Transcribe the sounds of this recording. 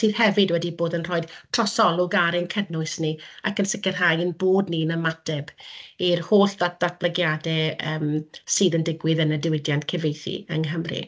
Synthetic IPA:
siːð̥hɛvɪdwɛdiboːdənrɔːɨd̥tʰrɔsɔlˠʊɡaɾɛnkʰədnʊɨsniakənsɪkɪrɦajənboːdninəmatʰɛbirhoːɬðad̥at̚bləɡjadɛəːmsɨːðəndɪɡwɪðənədɪwɪdjantkʰɛvejθḭə̰ŋɦəmrḭ

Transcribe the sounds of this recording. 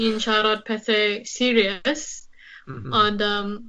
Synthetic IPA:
ĩnʃaɾɔt̚pʰɛsesiɹiəs | ɔ̃ndə

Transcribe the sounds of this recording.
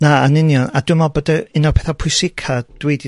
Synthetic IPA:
naanɪnjɔnadʊmɔbədaɪnapʰɛθapʰʊjsɪkʰad̥wejdi

